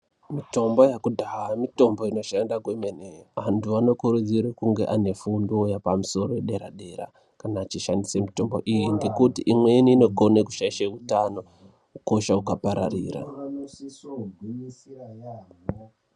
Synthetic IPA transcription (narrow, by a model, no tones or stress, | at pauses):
mito̞mbojakudʱaɦamito̞mbo̞ino̞ʃandaɡwemeneʋantuano̞kuɾud͡ziɾekuŋɡe̞̰ʔane̞fundojapamuso̞ɾo̞jeɗe̞ɾa̰ɗe̞ɾa̰ | kanaːt͡ʃiʃandisemito̞mbo̞̰ʔijiŋɡe̞kutiʔimweniːno̞ɡʱo̞neku̥ʃaiʃautano̞ | kuko̞ʃaukapaɾa̰rḭːɾa̰